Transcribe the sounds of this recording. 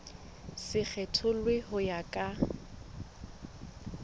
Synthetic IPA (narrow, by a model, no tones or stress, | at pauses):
sɪk͡xʰɛtʰʊlwɪhʊjakʼa